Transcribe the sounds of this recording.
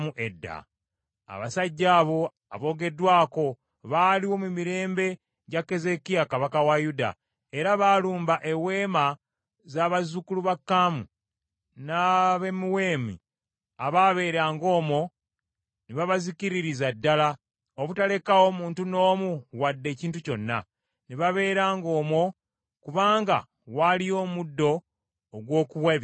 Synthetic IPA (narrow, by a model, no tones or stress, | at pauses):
muʔe̞dːa̰ | a̰βasaɟːaːβo̞ | a̰βo̞ːɡe̞dwaːko̞ | βaːliwo̞mumiɾe̞ːmbe̞ | ɟakːe̞ze̞kiakaβakawajuda̰ | e̞ɾaβaluːmbaʔe̞we̞ːma | zaːβazukuluβakːaːmu | naβe̞miwe̞ːmḭ | aβaβe̞ːɾaːŋɡo̞ːmo̞ | neβaβaziciɾiɾizadːala | oβutale̞kawo̞muːntuno̞ːmuwadːe̞ːciːntuco̞nːa̰ | neβaβe̞ːɾaːŋɡo̞ːmwo̞ | kuβaːŋɡa̰ | walijo̞ːmudːo̞ː | ɡwo̞ːkuwaβ